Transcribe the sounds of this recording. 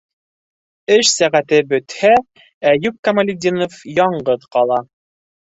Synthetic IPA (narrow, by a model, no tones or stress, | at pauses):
ɘʃsæʁæt̪ɘbɵ̆t̪hæ | æjʉp̚kɐmɐlʲɪd̪ʲinofjɒɴɢɤðqɑlˠɑ